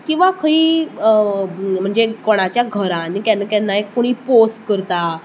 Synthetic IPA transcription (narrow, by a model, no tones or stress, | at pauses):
kĩw̃ʋakʰəiː | m̤əɳd͡zekɔɽ̃at͡ɕjaɡʱəɾãnikankɛnːaekːoɽ̃iːposʈkəɾt̪a